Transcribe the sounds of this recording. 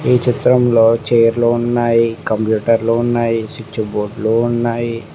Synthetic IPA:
iːt͡ʃit̪ɾɐmlo̞ːt͡ʃeːjɐɾlounːaːjikɐmpjuːʈɐɾluunːaːjisit͡ʃːuboːɾɖluunːaːji

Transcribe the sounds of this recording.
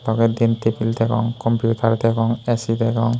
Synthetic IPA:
t̪ɔɡed̪int̪ʰipʰilt̪ʰɛkɔ̰ŋkɔmpjutaɾt̪ʰɛkɔŋesit̪ʰɛkɔŋ

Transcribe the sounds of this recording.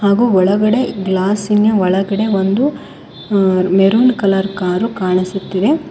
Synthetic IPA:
haːɡuːɔɭɐɡɐɽe̞ɡlaːsinjɐʋɔɭɐɡɐɽe̞ʋond̪u | meɾuːnkɐlɐɾkaːɾukaːɳisut̪ːiʋe

